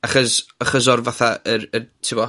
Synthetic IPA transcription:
aχɔsəχəs̬ɔrvaθaəɾətʰɪbɔ

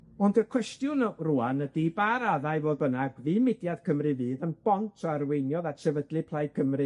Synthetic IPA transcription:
ɔndəkʰw̥ɛstjʊnruanədibaɾaðaɨvoːðbənaɡviːmɪdjað̥kʰəmrɨvɨːðənb̥ɔntʰɔarwejnjɔðatsɛvədlˠɨpʰlˠajkʰəmrɨ

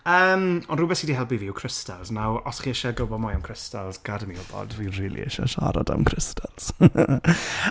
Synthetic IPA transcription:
əːmɔndrʊbɛθidiɦɛlˠbiviɪwkʰr̥ɪstalˠznawɔsχiːɛʃaɡəbɔmʊjamkʰr̥ɪstalˠzɡ̥adəmiʊbɔ̰dviriːlˠḭɛ̰ʃa̰ʃa̰ɾa̰da̰mkʰrɪstʰalˠz̥

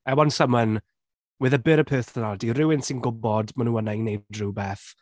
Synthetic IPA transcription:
ɛwɔnsəmən | wɪðəbɪɾəpʰøːθnadirɪwɪnsɪnɡʊbɔdmanũːənanejdrubɛθ

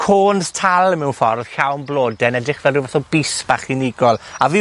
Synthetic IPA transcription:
kʰoːnstʰalˠəmɛwnfɔrð̥ɬawnblˠoːdɛnɛdrɪχvɛlˠduvaθɔb̥isb̥aχɪnɪɡɔlˠavi

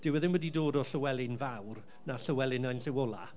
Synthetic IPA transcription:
d̥ɪwɛðɪmwədidoːdɔɬəwɛlˠɪnvawr | naɬəwɛlˠɪnajnɬɪwɔlˠa̰

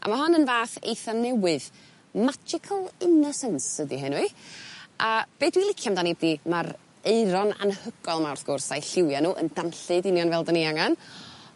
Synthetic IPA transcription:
ʔa̰maɦɔnənvaːθḛjθanɛwɨð | mad͡ʒɪkʰəlˠɪnɔsɛnsədiɦɛnwiʔab̥eːdwilˠɪkʰjamdanibdimaɾ | eɨɾɔna̰nhəɡ̥ɔlˠmawrθɡ̥ʊrsajɬɪwjanuːʔə̰ndanɬɨdɪnjɔnvɛlˠdəniaŋan

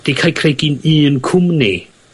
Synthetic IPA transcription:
d̥ikʰajkʰreɡiniːnkʰʊmni

